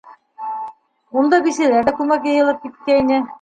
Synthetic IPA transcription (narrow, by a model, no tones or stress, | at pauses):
und̪ɑbisilæɾækumækjɑjɯ̆lˠɤp̚kit̪̚kæinɘ